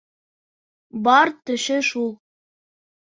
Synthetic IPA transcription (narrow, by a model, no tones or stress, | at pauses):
bɑɾt̪ɘ̆ʃɘ̆ʃulˠ